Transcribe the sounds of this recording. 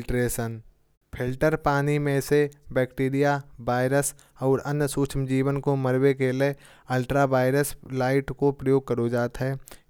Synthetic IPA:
ʈɾeːʃən | pʰɪlʈəɾpaːnimẽsebɛːkʈeːɾijabaːɪɾəs | ɔːɾənəsuːt͡ʃʰmd͡ʒiːʋənkoməɾwekele | əlʈɾabaːɪɾəslaːɪʈkopɾəjoːɡ̚kəɾod͡ʒaːt̪ɦɛː

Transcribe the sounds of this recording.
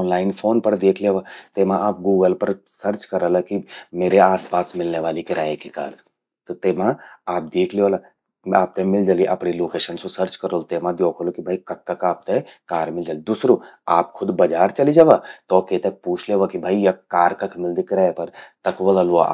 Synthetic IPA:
ɔːnlaːɪnfʰoːnpɐɾd̪eːkʰleʋat̪eːmãʔaːp̚ɡuːɡəlpɐɾ | sɐɾt͡ʃkɐɾəlakimeːɾeaːspaːsmɪlneʋaːlikɪɾaːekika̰ːɾ | t̪ot̪eːmãaːp̚d̪eːkʰleoːla | aːp̚t̪emɪld͡ʒaːliʔɐpɽiloːkeːʃənsosɐɾt͡ʃkɐɾoːlt̪eːmãd̪joːkʰoːlokibʱaːikɐkːɐkaːp̚t̪ekaːɾmɪld͡ʒaːlid̪usɾoaːp̚kʰʊd̪bɐd͡ʒaːɾt͡ʃɐlid͡ʒaːʋaːt̪ɔːkeːt̪ɐk̚puːt͡ʃʰleʋakibʱaːijɐkaːɾkɐkmɪld̪ikɪɾaːepɐɾt̪ɐkʋɐlaloa̰ː

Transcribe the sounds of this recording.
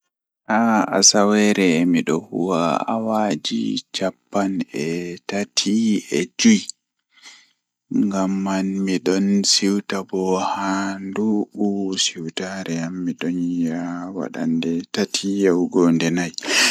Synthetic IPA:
ʔaa̰sawɛɾɛmiɗɔhṵwaa̰wad͡ʒḭt͡ʃapːanɛtatʰiɛd͡ʒuj | ŋɡamːanmiɗɔnsiwtabɔhanduɓusiwtaɾɛamːiɗɔnjawa̰ɗa̰ndɛtatʰijawɡɔndɛnaj

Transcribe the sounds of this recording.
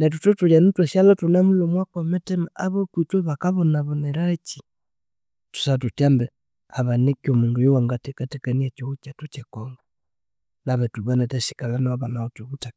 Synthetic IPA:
nɛt̬utɔtujanutwasjalɔtunamulomwakɔmɛtɛmaaβɔpwit͡ʃɔβakaβɔnaβɔnɛɾat͡ʃi | tu̥satutjambɛ | aβanekiɔmundujuwaŋɡatɛkatɛkaniat͡ʃɔut͡ʃatut͡ʃɛkɔŋɡa | naβɛtuβanatasi̥kalanaβanaɔtuβuta

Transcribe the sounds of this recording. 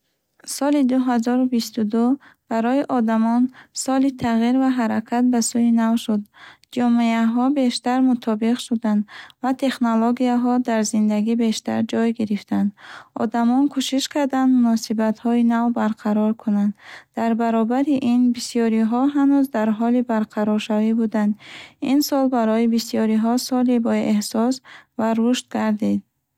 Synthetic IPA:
sɔlid̪uɦazɔɾubist̪ud̪ub̥aɾɔiʔɔd̪amɔnsɔlit̪ʰaʁiɾvaɦaɾakʰat̪̚basujinavʃud̪ | d͡ʒɔmeaɦɔbe̞ʃt̪aɾmut̪ʰɔbiqʃud̪and̪vat̪ʰe̞χnoloɡiaɦɔd̪aɾzind̪aɡibe̞ʃt̪a̰ɾd͡ʒɔjɡiɾift̪ʰand̪ɔ̰d̪amɔnkʰuʃiʃkʰaɾd̪and̪munɔsibat̪hɔinavbaɾqʰaɾɔɾkʰunand̪d̪aɾbaɾɔbaɾiʔinbisijɔɾiɦɔɦanuzd̪aɾɦɔlibaɾqʰaɾɔɾʃavibud̪and̪insɔlbaɾɔjibisijɔɾiɦɔsɔlibɔʔehsɔsvaɾuʃt̪̚ɡaɾd̪id̪̚

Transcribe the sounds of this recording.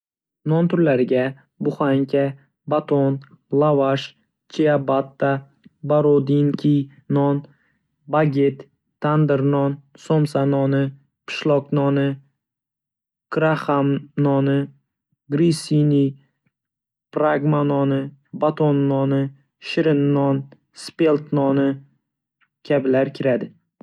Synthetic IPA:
nɔnt̪ʰʊɾlaɾɪɡʲa | bʊχaŋkʲʰa | bat̪ʰon | lˠavaʃ | t͡ʃʰiabat̪ːa | baɾod̪iŋkʲʰi | nɒn | baɡʲet̪ʰː | and̪ɪɾnɒnsomsanɒnɪ | pʰɪ̥ʃlˠɒqnɒnɪ | kʰɾaχamnɒnɪ | ɡɾisini | pɾaɡmanɒnɪbat̪ʰonːɒnɪ | ʃɪɾɪnːɒn | spe̞lt̪nɒnɪ | kʲʰabɪlaɾkʲʰɪɾad̪ɪ

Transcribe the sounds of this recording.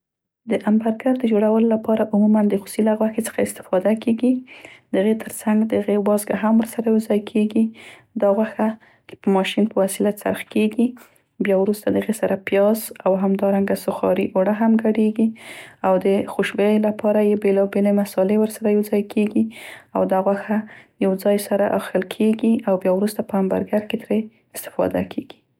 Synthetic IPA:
d̪əʔambaɾɡaɾd̪əd͡ʒoɽawəlolapɑɾaʔʊmumand̪əxu̥silaɣwaxet͡sə̥xaɪst̪ɪ̥fɑd̪akeɡid̪̥əaɣet̪ʰəɾt͡saŋɡd̪əɣewɑzɡaɦamwəɾsaɾajawzɑjkʰeɡid̪ɑɣwaxa | t͡ʃpəmɑʃinpəwasilasa̰ɾxkeɡi | bjɑwɾust̪ad̪əɣesaɾapjɑzawɦamd̪ɑɾaŋɡasʊxɑ̰ɾḭʔoɽaɦamɡaɽeɡiawd̪əxuʃbelapʰɑɾajebelɑbelemasɑlewəɾsaɾajawzɑjkʰeɡiawd̪ɑɣwaxajawd͡zɑjsaɾaʔɑxəlkʰeɡiawbjɑwɾust̪apəamba̰ɾɡaɾket̪ɾe | ɪst̪ɪ̥fɑ̰d̪a̰kʰeɡ̥i̥

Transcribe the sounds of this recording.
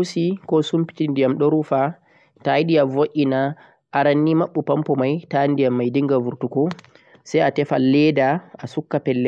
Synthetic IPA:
usikɔsumpi̥tindijamɗɔɾufa | tajɗijavoʔʲina | ʔaɾanːimaɓːupampɔmajtandijamːajdiŋɡavuɾtukɔ | sajatɛfalːɛdaʔasukːapɛlːɛ

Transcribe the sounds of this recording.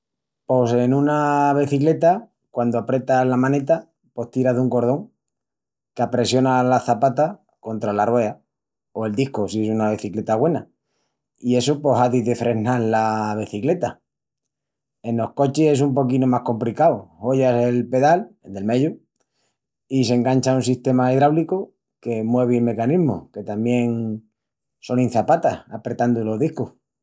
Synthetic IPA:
po̞se̞nũnaβ̞eθikle̞t̪a | kwand̪oapɾe̞t̪aslamãne̞t̪a | po̞ht̪iɾaɦðuŋko̞ɾð̞o̞ŋ | keapɾe̞sjo̞nalaθapat̪a | ko̞nt̪ɾalarwea | oe̞ld̪ihkosiesunaβ̞eθikle̞t̪aɣwe̞na | ie̞supo̞ɦaðiðefɾe̞naɾlaβ̞eθikle̞t̪a | e̞no̞hko̞t͡ʃie̞s̬umpo̞kinomahko̞mplikawho̞ʝase̞lpe̞ðald̪e̞lme̞ʝu | is̬e̞ŋɡant͡ʃaunsiht̪e̞maiðɾawliko | ke̞mwe̞β̞eilme̞kaniɦmo̰ke̞t̪amje̞ŋ | so̞nĩn̟θapat̪ahapɾe̞t̪and̪olo̞ɦðihkoh

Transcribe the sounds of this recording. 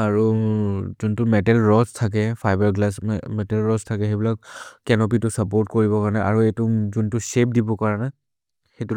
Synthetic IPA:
aɹu | zuntʊmɛtɛlɹɔstʰak̬ɛpʰajbaɹɡlasmɛtɛlɹɔstʰakɛxebilak̚kɛnɔp̬itʊsapoɹtkoɹibɔkaɹnɛʔa̰ɹuetʊzuntʊsep̚dibɔkaɹana | xetu

